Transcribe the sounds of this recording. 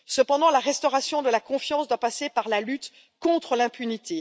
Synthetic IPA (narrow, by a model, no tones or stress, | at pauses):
səpɑ̃d̪ɑ̃laʁɛst̪ɔʁasjɔ̃d̪əlakɔ̃fjɑ̃sd̪wapasepaʁlalyt̪ | kɔ̃t̪χəlɛ̃pynit̪e